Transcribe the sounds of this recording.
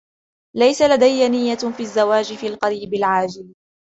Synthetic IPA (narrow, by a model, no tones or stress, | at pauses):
lajsalad̪ajːanɪjːafiːazːawaːd͡ʒɪfiːlqɑɾiːbɪlʕaːd͡ʒɪl